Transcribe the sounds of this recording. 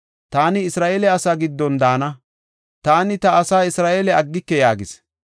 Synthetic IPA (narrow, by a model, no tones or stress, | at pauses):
t̪aːnɪːsɾaːʔeːlɛɐsaːɡɪd̪ːɔnd̪aːnɐ | t̪aːnɪt̪ɐːsaːɪsɾaːʔeːlɛɐɡːɪkːɛjaːɡɪs